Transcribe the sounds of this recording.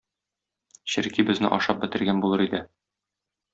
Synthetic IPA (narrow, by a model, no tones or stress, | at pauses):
ɕɘ̆ɾkibɘ̆znɘ̰ʔɒ̰ʃɑp̚bɘ̆t̪ɘ̆ɾɡænbulˠɤɾid̪ɘ